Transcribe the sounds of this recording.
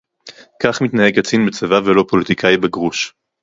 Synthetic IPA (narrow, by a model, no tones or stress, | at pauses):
kaχmit̪nahe̞ɡat͡sinbet͡sevavelo̞po̞lit̪ikʰajbeɡʁuʃ